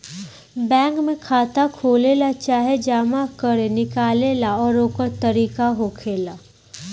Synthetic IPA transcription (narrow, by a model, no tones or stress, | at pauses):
bɛ̃ːŋkmẽkʰaːt̪akʰoːleːlat͡ʃaːɦed͡ʒaːmakəɾenɪkaːleːlaɔːɾoːkəɾt̪ɐɾiːkaɦoːkʰeːlaː